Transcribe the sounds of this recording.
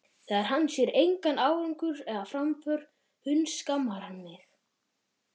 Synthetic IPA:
θɛðaɾ̥ɦanːsjɛɾejŋkanaːwɾʏŋkʏɾɛðafɾamfœɾ | hʏnskamːaɾ̥hanmɪx

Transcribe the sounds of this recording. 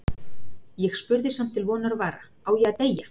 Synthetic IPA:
jɛɣspʏɾðɪsam̥t̪ʰːɪlvɔːnaɾvaːɾa | aːwjɛat̪eja

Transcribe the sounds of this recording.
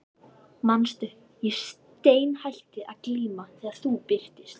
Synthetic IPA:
manst̪ʏhp | jɛs | t̪eːjnhajlt̪ɪʔaðkliːmaθɛːɣaɾ̥θupɪr̥t̪ɪst̪

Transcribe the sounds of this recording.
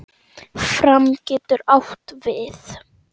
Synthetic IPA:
fɾamcɛːt̪ʏɾawht̪vɪθ

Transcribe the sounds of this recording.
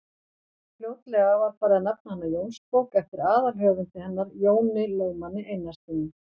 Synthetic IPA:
fljoːwt̪lɛɣavaɾ̥faːɾɪaðnap̚nahanːajoːwnspowkɛft̪ɪɾaːðalɦœːvʏnt̪ɪhɛnːaɾjoːwnɪleːwmanːɪʔejnːast̪ɪnːɪ

